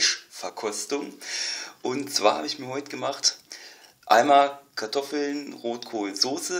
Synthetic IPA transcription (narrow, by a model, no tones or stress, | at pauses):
ʃfɛɐkʰɔstʊŋ | ʔʊntt͡sv̥aːhaːbəɪçmiːɐhɔʏtəɡəmaχt | ʔa̰ɪnmaːlkʰaɐtʰɔfl̩nʁoːtkʰoːlnzoːsə